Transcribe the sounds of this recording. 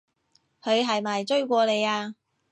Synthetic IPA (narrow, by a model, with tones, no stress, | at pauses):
hʰɵ˨˧ɥɦɐ˨jmaː˨jt͡ʃɵ˥ɥkʷɔː˧le˨˧jaː˧